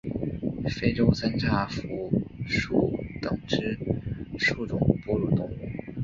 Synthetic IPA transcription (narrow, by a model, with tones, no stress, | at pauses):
fe˥ɪʈ͡ʂo˥ʊsa˥nʈ͡ʂʰa˥˩fu˧˥ʂu˥˩t̪ɤ˨˩ŋʈ͡ʂɻ̩˥ʂu˥˩ʈ͡ʂʊ˨˩˦ŋpu˥˧ɻu˥˩t̪ʊ˥ŋ˧˥˩